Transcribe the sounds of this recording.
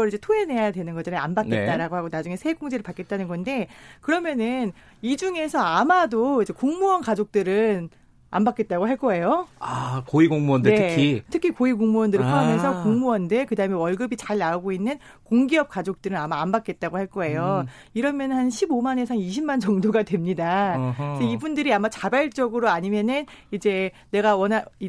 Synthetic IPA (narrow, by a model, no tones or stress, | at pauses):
ʌɾid͡ʑe̞tʰoe̞ne̞jaadwe̞nɯnɡʌd͡ʑaneambakk͈e̞tt͈aɾaɡohaɡonad͡ʑuŋe̞sʰek͈oŋd͡ʑeɾɯɭpak͈e̞t̚t͈anɯnɡʌnde̞kɯɾʌmjʌnɯn | id͡ʑuŋe̞sʰʌamadoid͡ʑe̞koŋmuwʌnkad͡ʑok̚t͈ɯɾɯn | a̰mbak͈e̞t̚t͈aɡoɦaɭk͈ʌe̞joakoiɡoŋmuʌndne̞kitʰɯkʰikoikoŋmuwʌndɯɾpʰːme̞s̬ʰʌkoŋmuwʌndekɯdaɦɯme̞wʌɭɡɯbit͡ɕaɭnauɡoinːɯn | koŋɡiʌp̚k͈ad͡ʑok̚t͈ɯɾɯnamaambak͈e̞t̚t͈aɡohaɭk͈ʌe̞jo | iɾʌmjʌnnhanɕʰibomane̞sʰaŋiɕʰimːand͡ʑʌŋdoɡadwe̞mɲidasʰʌibundɯɾiamat͡ɕabaɭt͡ɕ͈ʌɡɯɾoaɲimjʌnɯnid͡ʑe̞ | ne̞ɡawʌnai